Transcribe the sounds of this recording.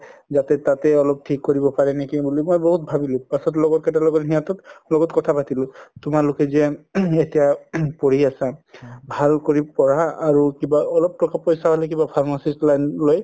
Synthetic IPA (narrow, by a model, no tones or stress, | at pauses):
zatɛtatɛɔlɔp̚tʰikːoɹibɔpaɹɛnekibulimojbɔɦut̚bʱabilʊ̃pasɔtlɔɡɔtkɛtalɔɡɔtɦiatɔtlɔɡɔtkɔtʰapatilʊ̃tʊmalʊkɛzɛetijapoɹiasabʱalkoɹipɔɹaːɹukibaɔlɔp̚tɔkapɔjsaɦɔlɛk̬ibapʰaɹmasislajnloj